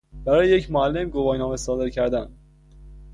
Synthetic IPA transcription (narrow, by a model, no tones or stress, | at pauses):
b̥æɾɒːjejecʰmoælːe̞mɡobɒːjnɒːme̞sɒːd̪e̞ɾcʰæɾd̪æn